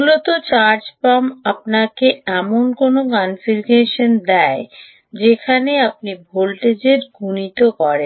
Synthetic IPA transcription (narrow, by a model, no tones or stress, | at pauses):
mulot̪ot͡ɕaɾd͡ʑpamap̚nakeɛmonkonokanfilkeʃond̪ɛe | d͡ʑekʰaneap̚nibʱolʈed͡ʑeɾɡʱunit̪okɔɾḛn